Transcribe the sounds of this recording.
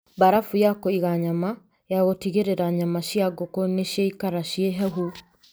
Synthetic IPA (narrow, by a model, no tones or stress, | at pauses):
baɾafujakoiɣaɲama | jaɣotiɣeɾeɾaɲamaʃjaɡokoneʃjaikaɾaʃieɦɛɦu